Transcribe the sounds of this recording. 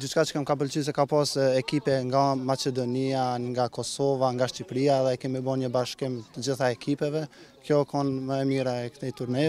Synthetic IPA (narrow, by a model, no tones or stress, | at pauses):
d̪yt͡ʃkat͡ʃə̥kɛmkap̬əlt͡ʃys̬ɛkapasɛkipɛŋɡamat͡ʃɛd̪ɔniaŋɡakɔsɔvaŋɡaʃt͡ɕipɾiaɛðɛɛkɛmibɔnɲəbaʃkimt̪əd͡ʑiθaɛkʰipɛvɛkʰjɔkɔnməɛmiɾaɛkt̪ɛt̪uɾnɛ